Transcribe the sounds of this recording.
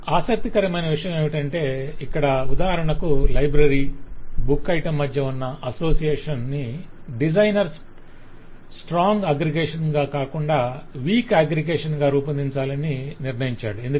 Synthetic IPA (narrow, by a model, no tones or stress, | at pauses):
aːsɐk̚t̪ikɐɾɐmɐnɐʋiʂɐjɐmeːʋiʈɐɳʈe̞ːikːɐɽɐud̪aːɦɐɾɐɳɐkulɐjbɾɐɾiːbukːɐjʈɐmːɐd̪jɐunːɐʔɐso̞ːsijeːʂɐnːi | ɖid͡ʒɐjnɐɾs | sʈɾaːŋɡɐːɡɾiɡeːʂɐnɡaːkaːkuɳɖaːʋiːkaːɡɾiɡeːʂɐnɡaːɾuːpɐnd̪iɲt͡ʃaːlɐniniɾɳɐjiɲt͡ʃa̰ːɽuend̪u